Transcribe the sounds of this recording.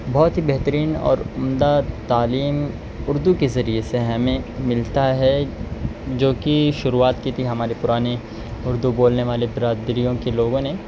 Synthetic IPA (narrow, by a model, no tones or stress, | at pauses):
bɔːt̪ɦibɛɦt̪əɾiːnɔ̰ːɾʊmd̪at̪aːliːm | ʊɾd̪ukezɐɾieseɦɐmẽmɪlt̪aɦɛ | d͡ʒoːkiʃʊɾuaːt̪kit̪ʰiɦɐmaːɾepʊɾaːne | ʊɾd̪uboːlneʋaːlebɪɾaːd̪ɾijõkeloːɡõne